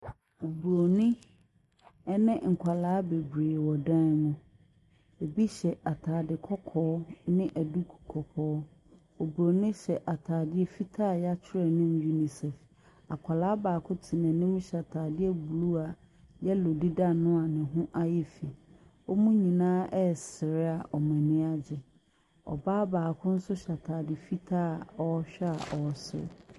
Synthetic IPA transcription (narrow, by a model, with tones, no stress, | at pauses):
o˨bu˨ɾo˨nɪ̃˦ | ɛ˦nɪ̃˦ŋ̩˨kʷʰa˨laː˦be˨bɾeː˨wɔ˨dã˦n˦mʊ̃˦ | e˨bi˦ɕɛ˨ʔa˨tʰaː˨dɪ˨kʰɔ˦kʰɔː˦nɪ̃˦ʔæ˨du˦kʰu̥˨kʰɔ˨kʰɔː˨˦ | o˨bu˨ɾo˨nɪ̃˦ɕɛ˨ʔa˨tʰaː˨dɪ˦ɛ˦fi˦tʰaː˦˨jɛ˦a˦t͡ɕʰɪ˦ɾɛ˨nɪ̃˦m˦ju˦ni˨sɛ˨f | a˨kʷʰa˨la˦baː˨kʰʊ̃˦tʰɪ˨nɛ̃˨nɪ̃˦m˦ɕa˨tʰaː˨dɪ˦ɛ˦bu˨lu˦a˨ | jɛ˦lo˨di˦da˦nʊ̃˦a˨nɪ̃˨ɦʊ̃˦ʔa˦jɛ˦fi˨ | ɔ˦mũ˦ɲĩ˨nãː˦ʔɛ˦˨sɪ˨ɾɪ˦a˨ʔɔ˨mɛ̃˨nɪ̃˦a˦d͡ʑɛ˨ | ɔ̰˨baː˦baː˨kʰʊ̃˦n̩˦sʊ˦ɕa˨tʰaː˨dɪ˨fi˦tʰaː˦˨ɔ˦ɕᶣɛ˦a̰˨ʔɔ˨sɪ̰˦